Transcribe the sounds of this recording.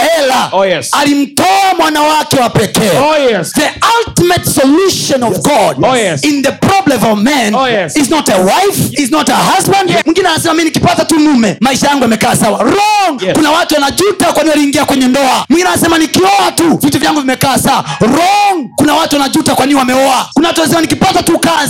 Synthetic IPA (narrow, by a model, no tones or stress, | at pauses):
ɛlaalim̩tɔamwanawakɛwapɛkɛːðialtimɛtsɔluʃɔ̃nɔvɡɔdinðəpɾɔblɛmɔvmɛniznɔtɛwajfiznɔtəhazbãndmwĩŋɡinɛanasɛmaminikipatatunumɛmaiʃajaŋɡuamɛkaːsawaɾɔŋkunawatuwanaʄutakwaniiwaliːŋɡiakwɛɲɛndɔamwĩŋɡinaasɛmanikiɔatuvituvjaŋɡuvimɛkaːsawaɾɔŋkunawatuwanaʄutakwaniwamɛɔakunawatuaasɛmanikipatatukaz